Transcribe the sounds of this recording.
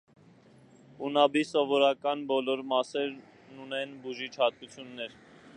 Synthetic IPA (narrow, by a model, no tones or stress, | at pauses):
unɑbisɔvɔɾɑkɑnbɔlɔɾmɑsɛɾ | nunɛnbuʒit͡ʃʰhɑt̪̚kut͡sʰjunːɛɾ